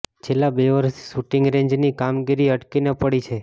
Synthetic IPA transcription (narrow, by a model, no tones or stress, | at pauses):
t͡ʃʰelːabeʋəɾsʰʃuʈɪŋɡɾeɲd͡ʒnikamɡiɾiəʈkinepəɽit͡ʃʰe